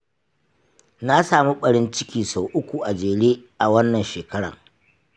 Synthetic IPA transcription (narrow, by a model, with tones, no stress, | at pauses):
na˦saː˨mu˦ɓɐ˨ɽɪ˦nt͡ʃɪ˦kʲiː˨so˨ʔʊ˦kʷu˨ʔa˨d͡ʒeː˨ɽeː˦ʔa˨wɐ˦nːɐ˨nʃeː˨kɐ˦ɽɐ̰˨ŋ